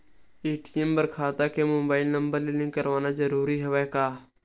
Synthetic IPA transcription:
eːʈijəmbəɾkʰaːt̪aːkemoːbaːɪlnəmbəɾlelɪ̃ŋkːəɾʋaːnad͡ʒəɾuːɾiɦəʋeːkaː

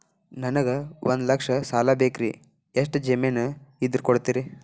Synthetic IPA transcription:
nɐnɐɡɐʋʔond̪lɐkʂɐsaːlaːbeːkɾi | eʂ̬ʈd͡ʒemenɐid̪ɐɾkoɽt̪iɾi

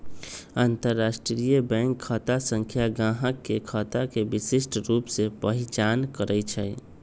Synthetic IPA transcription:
aːnt̪əɾːasʈɾijəbɛ̃ŋkʰːət̪asə̃ŋkʰjaɡãɦəkːekʰət̪akebisisʈɾupsepəɦit͡ʃankəɾɛt͡ʃʰɛj

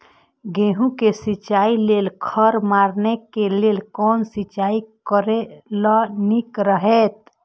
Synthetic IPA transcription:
ɡeɦũkesit͡ʃailelkʰəɾmaɾnekeleːlkɔːnsit͡ʃaikəɾelənikɾəɦet̪̚

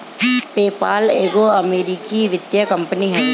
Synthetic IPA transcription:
peːpaːleːɡoɐmeːɾikiʋɪd̪jəkɐ̃mpəniɦɛː

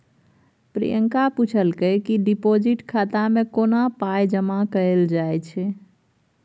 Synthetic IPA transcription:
pɾḭjəŋkaput͡ʃʰəlkəjkiɖipod͡ʒiʈkʰat̪amekonapajd͡ʒəmakəeld͡ʒajt͡ʃʰɛ

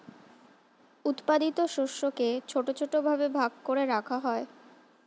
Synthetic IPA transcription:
ut̪pad̪it̪oʃoʃoket͡ɕʰoʈot͡ɕʰoʈobʱabebʱaɡkoɾeɾakʰaɦɔe

